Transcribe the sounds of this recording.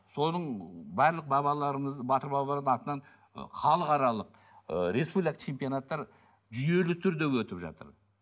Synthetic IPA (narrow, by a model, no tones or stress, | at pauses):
so̞nəɴbæɾlˠəq̚bɑbɑlˠɑɾbɑt̪əɾbɑbɑlˠɑɾd̪əɴɑt̪ənɑn̰ | χʰɑlˠəqɑɾɑlˠəq̚ | əɾe̞spublʲˠijkat͡ʃʰe̞mpijonat̪ːɑɾ | ʒʏje̞lɪt̪ʰʏɾd̪e̞wɵt̪ɪpʒɑ̰t̪ə̰ɾ